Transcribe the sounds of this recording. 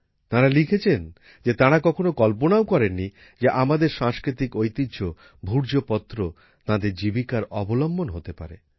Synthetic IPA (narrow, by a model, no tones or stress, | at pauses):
t̪ãɾalikʰet͡ɕʰen | d͡ʑet̪ãɾakɔkʰonokɔlp̬onaokɔɾenːi | d͡ʑeʔamad̪eɾʃãŋskɾit̪ikojt̪id͡ʑo | bʱuɾd͡ʑopɔt̪ːɾo | t̪ãd̪eɾd͡ʑibikaɾɔbolɔmbonɦot̪epa̰ɾe